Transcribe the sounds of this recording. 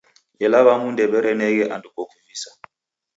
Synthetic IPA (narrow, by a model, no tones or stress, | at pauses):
jɛlaβamundɛɓɛɾɛnɛk̬ɛʔandukokʰuviːsḁ